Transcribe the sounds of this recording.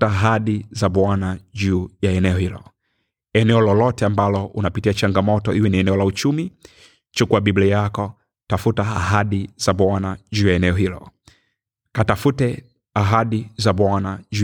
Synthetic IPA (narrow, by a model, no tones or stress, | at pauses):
aaɦaɗizaɓwanaʄuːjaɛnɛɔhilɔ̰ | ɛnɛɔlɔlɔtɛambalɔʔunapitiat͡ʃaŋɡamɔtɔʔiwɛniɛnɛɔlaut͡ʃumi | t͡ʃukuaɓiblijakɔ | tafutaːɦaɗizaɓwanaʄuːjaɛnɛɔɦilɔ̰ | katafutɛ | aɦaɗizaɓwanaʄu